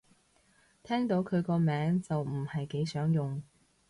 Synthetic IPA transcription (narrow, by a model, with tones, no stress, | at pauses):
t̪ʰɛː˥ŋt̪o˨˥wkʰɵ˨˧ɥkɔː˧mɛː˨˥ŋt͡sɐ˨wm̩˨˩hɐ˨jke˨˥jsœː˨˥ŋjʊ˨ŋ